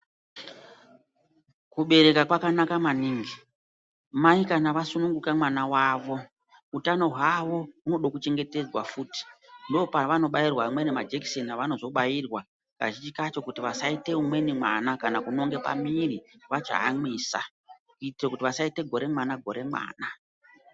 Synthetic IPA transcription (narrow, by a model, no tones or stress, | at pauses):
kuɓe̞ɾe̞kakwakanakamaniːŋɡi | maikanaʋasunuŋɡukamwanawaːʋo̞ | utano̞ɦwaʋo̞uno̞ɗokut͡ʃe̞ŋɡe̞te̞d͡zwa̰fuːti̥ndopaʋano̞ɓajirwamwe̞nimad͡ʒeksenaʋano̞zo̞ɓajirwa | ka̰ʒit͡ʃikat͡ʃo̞kutiʋasaite̞umwe̞nimwa̰nakanakuno̞ŋɡe̞pa̰miriʋat͡ʃa̰ɦa̰mwiːsa̰ | kuitrekutiʋasaite̞ɡʱo̞ɾe̞mwanaɡʱo̞ɾe̞mwa̰ːna